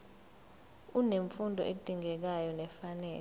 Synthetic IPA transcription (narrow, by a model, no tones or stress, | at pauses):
uneɱfundʱɔ̰ʔed̥ʱiŋɛk̬ajɔnɛfanɛ̰ːl